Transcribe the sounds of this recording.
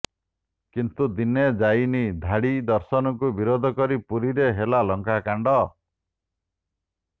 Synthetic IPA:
kint̪ud̪ined͡ʒajnid̪ʱaɽid̪ɔɾsɔnɔkubiɾod̪ʱɔkɔɾipuɾiɾeɦelalɔŋkakaɳɖɔ

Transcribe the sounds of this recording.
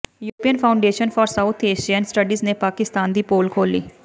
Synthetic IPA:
juːpiːənpʰaːʊɳɖeːʃənfʰɔːɾsaʊt̪ʰeːʃiənsʈəɖiːzneːpaːkɪst̪aːnd̪iːpoːlkʰoːlːḭː

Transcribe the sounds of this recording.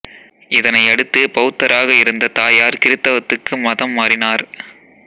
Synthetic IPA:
ɪðɐnɐɪɐɽɯt̪ːɯpɐɯt̪ːɐɾaːɣɐɪɾɯnd̪ɐt̪aːjaːɾkɪɾɯt̪ːɐʋɐt̪ːɯkːɯmɐðɐmːaːrɪnaːɾ

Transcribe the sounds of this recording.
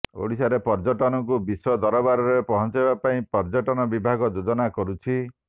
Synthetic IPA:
o̰ɽisaɾepɔɾd͡ʒɔʈɔnɔŋk̬ubisɔd̪ɔɾɔbaɾɔɾepɔɦɔnt͡ʃibapaĩpɔɾd͡ʒɔʈɔnɔbibʱaɡɔd͡ʒod͡ʒɔnakɔɾut͡ʃʰi

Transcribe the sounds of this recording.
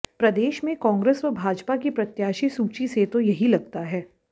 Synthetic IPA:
pɾɐd̪eːʃmẽkɔ̃ːŋɡɾeːsʋɐbʱaːd͡ʒpakipɾɐt̪jaːʃisuːt͡ʃiset̪ojɐɦilɐɡ̚t̪aɦɛː

